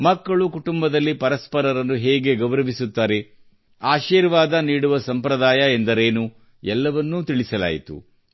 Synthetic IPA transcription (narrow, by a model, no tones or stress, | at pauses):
mɐkːɐɭukuʈumbɐd̪ɐlːipɐɾɐspɐɾɐɾɐnːuɦɛːɡe̞ɡɐʋɾɐʋisut̪ːaːɾe̞ | aːʃiːɾʋaːd̪ɐniːɽuʋɐsɐmpɾɐd̪aːjɐend̪ɐɾeːnu | ɛlːɐʋɐnːut̪iɭisɐla̰ːjit̪ṵ